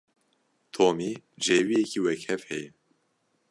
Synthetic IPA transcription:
t̪ʰoːmi | d͡ʒeːwijɛkʰiːwɛkhɛfhɛjɛ

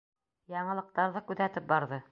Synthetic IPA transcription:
jɑɴɤ̆lˠɤ̆q̚t̪ɑɾðɤkʉðæt̪ɘp̚bɑɾðɤ

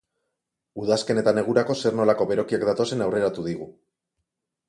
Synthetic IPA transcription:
uðaske̞ne̞t̪ane̞ɣ̞uɾako̞se̞rno̞lako̞βe̞ɾo̞kiakd̪at̪o̞se̞nawre̞ɾat̪uð̞iɣ̞u

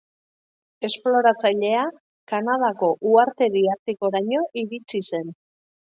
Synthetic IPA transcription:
e̞splo̞ɾat͡saʎe̞a | kanað̞ako̞ʔuaɾt̪e̞ðiaɾt̪iko̞ɾaɲo̞ʔiɾit͡sise̞n

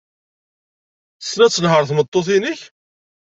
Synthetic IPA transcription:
snæt͡sːəlɦəɾˤθmət̪ˤːoθinəç

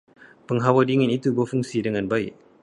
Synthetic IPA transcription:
pɯŋɦawadiŋenʔit̪ubɔfɯŋsiːdaŋanbaj

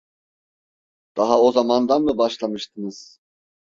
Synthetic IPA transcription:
d̪̥aɦaozamand̪anmɯbaʃlˠamɯʃt̪ʰɯnɯz̥

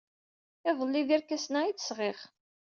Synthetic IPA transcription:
ɪðəlːiðiɾkæsnæit͡sːə̥sʁeχ

